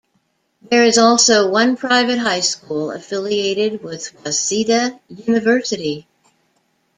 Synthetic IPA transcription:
ðə˞ɨzɔlˠsoʊwʌ̃npʰɹ̥aɪvɨt̚ɦaɪskulˠə̰fɪlˠieɪɾɪd̚wɪð̥wɑsiɾɨjʉnɨvɜ˞sɨɾi

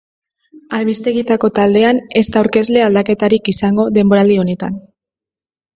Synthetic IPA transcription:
aɾβist̪e̞ɣit̪ako̞t̪ald̪e̞ane̞st̪awɾke̞zle̞ald̪ake̞t̪aɾikisaŋɡo̞ðe̞mbo̞ɾald̪io̞ne̞t̪an

